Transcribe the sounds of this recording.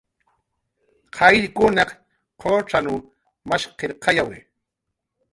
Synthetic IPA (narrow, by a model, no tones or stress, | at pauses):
qʰɑjʎkʊnɑ | qʰoʈ͡ʂanu | maʃqeɾqɑjawɪ